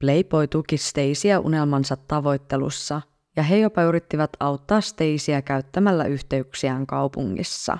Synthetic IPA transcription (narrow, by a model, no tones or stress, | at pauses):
ple̞jpo̞jt̪ukist̪e̞jsiæʔṵne̞lmɑnsɑt̪ːɑʋo̞jt̪ːe̞lṵsːɑ | jɑɦe̞jo̞pɑyɾit̪ːiʋɑt̪ɑwt̪ːɑːst̪e̞jsiækæyt̪ːæmælːæ̰ʔyçt̪e̞yksiæːŋkɑwpuŋːḭsːɑ̰